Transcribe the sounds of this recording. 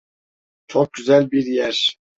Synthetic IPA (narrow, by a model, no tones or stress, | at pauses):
t͡ʃʰok̚ɟyzælʲbiɾjæɾ̥